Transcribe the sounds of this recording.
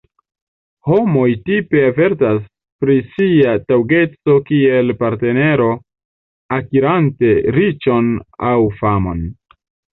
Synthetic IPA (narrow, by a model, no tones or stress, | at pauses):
ho̞mo̞jtipe̞ave̞ɾtas | pɾisiatawɡe̞t͡so̞kie̞lpaɾte̞ne̞ɾo̞ | akiɾante̞ɾit͡ʃo̞na̰wfamo̞̰n